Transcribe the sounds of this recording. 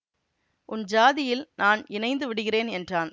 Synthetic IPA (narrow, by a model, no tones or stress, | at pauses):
ʔʊnd͡ʒaːðɪjɪlnʔaːnɪnɐɪnd̪ɯʋɪɽɯɣɪreːnɛndraːn